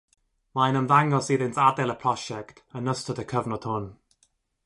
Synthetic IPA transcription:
majnəmðaŋɔsiːðɪntadɛləpʰɹ̥ɔʃɛktənəstətəkʰəvnɔtʰʊn

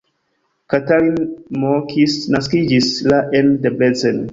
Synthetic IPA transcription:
kataɾinmokʰisnaskid͡ʒislaʔendeblezen

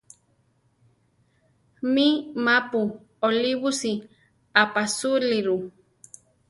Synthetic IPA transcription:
mimapu | oliβusi | apasuliɾu

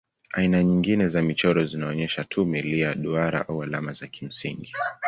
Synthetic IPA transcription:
ainaɲiŋɡinɛzamit͡ʃɔɾɔzinaɔɲɛʃatʰumiliaɗuaɾa̰ʔawala̰mazakim̩sḭŋɡi

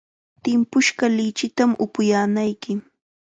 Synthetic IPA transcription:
t̪ɪmpʊʃɢɑlɪt͡ʃɪt̪amʔʊpʊjaːnajkɪ

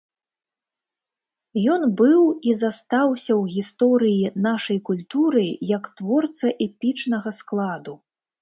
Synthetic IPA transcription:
jɔnbɨwizast̪awsʲɐwɣʲist̪ɔɾɨjinaʂɐjkulʲt̪uɾɨjɐkt̪vɔrt̪sɐʔɛpʲit͡ʂnɐɣɐsklˠad̪u

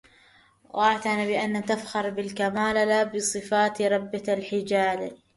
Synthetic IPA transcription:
waʕt̪anabɪʔanːat̪afxɑɾˤbɪlkamaːlalabɨsˤɨfaːt̪ɾˤɑbːalħɪd͡ʒaːla

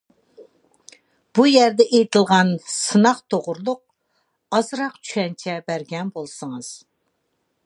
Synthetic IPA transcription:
b̥ujæɾd̪ɛʔejt̪ʰɪlˠʁɑnsɨnɑqt̪ʰoʁʊɾlˠʊq̚ | ɑzɾɑqt͡ʃʰy̥ʃɛnt͡ʃʰɛbæɾɡʲɛnbolˠsɨŋɨz̥

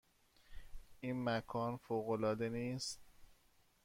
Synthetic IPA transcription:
ʔiːnmækʰɒːnfoːɣolɒːd̪eniːst̪̚

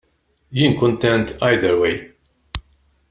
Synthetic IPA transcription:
jinkɔ̃nt̪ɛ̃nt̪ajd̪əɾwej

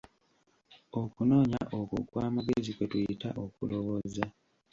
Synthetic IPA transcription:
o̞kuno̞ːɲaʔokṵkwaːmaɡezikwetujitaʔo̞kṵlowoza

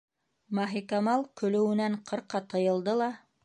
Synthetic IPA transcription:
mɑɦikɑmɑlˠkɵ̆lɵ̆wɘ̆næɴqʰɤ̆ɾqːɑt̪ɤ̆jɤ̆lˠd̪ɤlˠɑ

